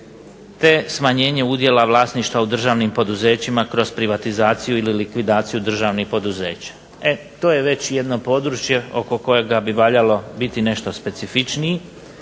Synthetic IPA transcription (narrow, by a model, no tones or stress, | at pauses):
t̪e̞smaɲe̞ːɲe̞ud̪je̞laʋlˠaːsniʃt̪ʋaud̪r̩ʒaːʋnimpo̞d̪uze̞ːt͡ɕimakɾo̞zpɾiʋat̪izaːt̪sijuililikʋid̪aːt̪sijud̪r̩ʒaːʋnixpo̞d̪uze̞ːt͡ɕḁ | e | t̪o̞ːjeʋe̞t͡ɕje̞d̪no̞po̞ːd̪ɾuːt͡ʃje̞o̞ko̞ko̞jeɡabiʋaːʎalo̞bit̪ine̞ʃt̪o̞spe̞t̪sifit͡ʃnii